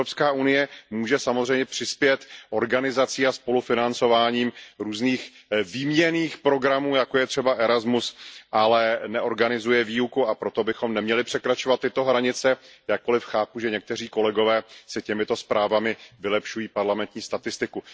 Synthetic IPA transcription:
ɾopskaːʔunɪjɛmuːʒɛsamozrɛjmɲɛpr̥ɪspjɛt̪ʔo̞ɾɡanɪzat͡siːaspo̞lufɪnant͡so̞vaːɲiːmɾuːzniːxviːmɲɛniːxpɾo̞ɡɾamuːjakojɛt̪r̝̥ɛbaʔɛɾazmusʔalɛnɛʔo̞ɾɡanɪzujɛviːukuapɾo̞t̪o̞bɪxo̞mnɛmɲɛlɪpr̥ɛkɾat͡ʃovat̪ːɪt̪o̞ɦɾaɲɪt͡sɛjak̚kːo̞lɪfxaːpuʒɛɲɛk̚t̪ɛr̝iːko̞lɛɡo̞vɛːsɪcɛmɪt̪o̞spɾʔaːvamɪvɪlɛpʃujiːpaɾlamɛnt̪ɲiːst̪at̪ɪst̪ɪku

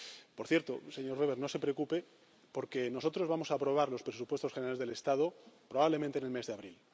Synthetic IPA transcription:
po̞ɾθje̞ɾt̪o̰se̞ɲo̞ɾβeβeɾno̞se̞pɾeokupe | po̞ɾkeno̞so̞t̪ɾo̞zβamo̞saːpɾo̞β̞aɾlo̞spɾesupwest̪oxeneɾalezðe̞le̞st̪að̞opɾo̞βaβle̞ment̪enelme̞zðeaβɾil

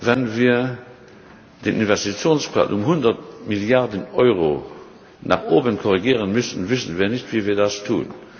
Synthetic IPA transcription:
vɛnviːɐ | d̥eːnʔinvɛstit͡sjoːnspʁa̰ːlʔʊmhʊndɐtmiljaʁdənɔʏʁo | nʔa̰ːχoːbənkʰɔʁiɡiːʁənmʏsən̩vɪsənviːɐnɪçtv̥iːviːɐdastʰṵːn

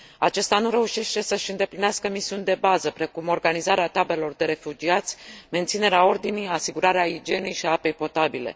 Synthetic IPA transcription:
at͡ʃe̞st̪anuɾe̞uʃe̞ʃt̪e̞səʃɨnd̪e̞plineaskəmisiunʲd̪e̞bazəpɾe̞kumo̞rɡanizaɾeat̪abelelo̞rd̪e̞ɾe̞fud͡ʒiat̪sʲme̞nt̪sine̞ɾeao̞rd̪inijasiɡuɾaɾeaid͡ʒe̞nejʃiaape̞jpo̞t̪abile̞̰

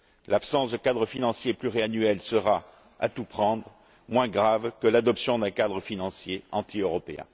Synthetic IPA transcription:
lapsɑ̃sd̪əkad̪ʁəfinɑ̃sjeplyʁeanyɛlsəʁa | a̰t̪upχɑ̃d̪ʁ | mwɛ̃ɡʁavkəlad̪ɔpsjɔ̃d̪ɛ̃kad̪ʁəfinɑ̃sjeɑ̃t̪ʰiøʁɔpeɛ̰̃

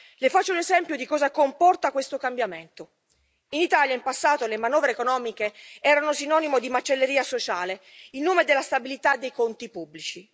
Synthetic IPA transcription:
lefat͡ʃːolezɛmpjod̪ikɔːzakompɔrt̪akwest̪okambjament̪o | init̪aljaimpasːaːt̪olemanɔːvɾeːkonɔːmikeɛːɾanosinɔnimod̪imat͡ʃːelːeɾiːasot͡ʃaːleilnuːmed̪elːast̪abilit̪ad̪ːejkont̪ipubːlit͡ʃi

